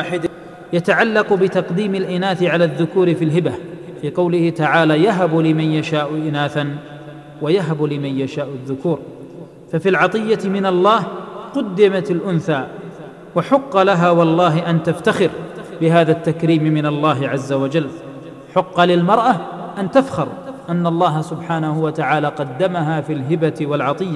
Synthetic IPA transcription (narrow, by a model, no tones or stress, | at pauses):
ħɪd̪ | jat̪aʕalːɑqbɪt̪ɑqd̪iːmɪlʔɪnaːθɪʕalaːðːʊkuːɾɪfilɦɪba | fiːqɑwlɪhɪt̪aʕaːlaːjaɦablɪmanjaʃaːʔʊʔɪnaːθan | wajaɦablɪmanjaʃaːʔʊðːʊkuːɾ | fafiːlʕɑt̪ˤɨjːat̪mɪnalˤːɑːhqʊd̪ːɪmat̪alʔʊnθaː | waħʊqːɑlaɦaːwɑlˤːɑːɦɪʔant̪aft̪axɪɾbɪɦaːðat̪ːakɾiːmmɪnalˤːɑːɦɪʕazːawad͡ʒalː | ħʊqːɑlɪlmɑɾˤʔaʔant̪afxɑɾˤʔanːalˤːɑːɦasʊbħaːnahʊwat̪aʕaːlaːqɑd̪ːamaɦaːfiːlɦɪbat̪walʕɑt̪ˤɨjːa